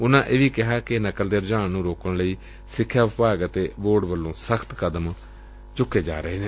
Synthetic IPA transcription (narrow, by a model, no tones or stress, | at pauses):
ʊnãːʔeːʋiːkɪɦaːkɪnəkəld̪eːɾd͡ʒaːnnũːɾoːkəɳləiː | sɪkʰːjaːʋɪpaːɡət̪eːʋoːɖʋəlːõːsəkʰt̪kəd̪əm | t͡ʃʊkːeːd͡ʒa̰ːɾəeːnẽː